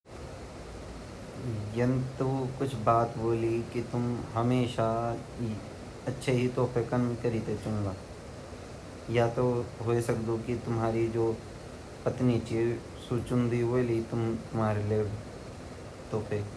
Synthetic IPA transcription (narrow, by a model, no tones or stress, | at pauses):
jɐnt̪ukʊt͡ʃʰbaːt̪boːlikit̪ʊmɦɐmeːʃa | ɐtːʃʰeɦit̪ɔːpʰekənkɐɾiːt̪et͡ʃɐũɡaː | jat̪oɦoːesɐkd̪okit̪ʊmɦaːɾid͡ʒoː | pɐt̪nit͡ʃiː | suːt͡ʃʊnd̪ibolit̪ʊmt̪ʊmɦaːɾeleːb | t̪oːpʰeːk